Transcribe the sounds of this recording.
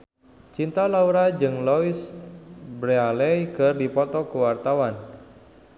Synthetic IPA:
t͡ʃint̪alauɾad͡ʒɨŋlɔis | bɾealɛjkɨrdipɔt̪ɔkəwart̪awan

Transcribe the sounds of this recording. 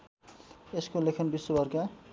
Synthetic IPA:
eskolekʰʌnbisːobʱʌrka

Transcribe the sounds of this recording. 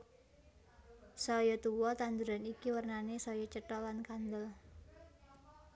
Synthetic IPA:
sɔjɔt̪uwɔt̪and̪uɾanikiwərnanesɔjɔt͡ʃəʈɔlankand̪əl

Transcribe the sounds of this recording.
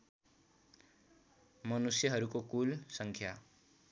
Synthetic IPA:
mʌnusjʌɦʌɾukokulsʌŋkʰja

